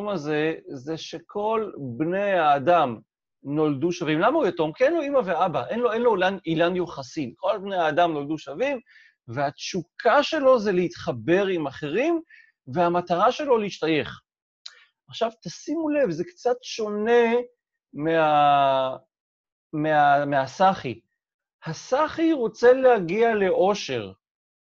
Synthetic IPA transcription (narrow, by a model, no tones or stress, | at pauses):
maze̞zeʃe̞kʰo̞lbnejaːdam | no̞lduʃavimlamaujeto̞mkienlo̞imaveabaʔenloenlo̞lanilanjoχasinkʰo̞lbnejaːdamno̞ld̪uʃavim | veat͡ʃukʰaʃe̞lo̞zeleit̪χabe̞ʁimaχe̞ʁim | ve̞amat̪aʁaʃe̞lo̞leiʃtaje̞χ | aχʃavt̪asimule̞vzekt͡sat̪ʃo̞ne̞ | mea | meameɦasaχi | hasaχiʁo̞t͡se̞lehaɡiale̞ʔo̞ʃe̞ʁ